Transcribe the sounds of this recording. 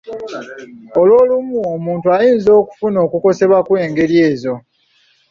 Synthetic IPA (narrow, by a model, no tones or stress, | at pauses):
olwo̞ːlumuomuːntuajiːnzo̞ːku̥funo̞ːkuko̞se̞βwakwe̞ːŋɡe̞ɾje̞ːzo̞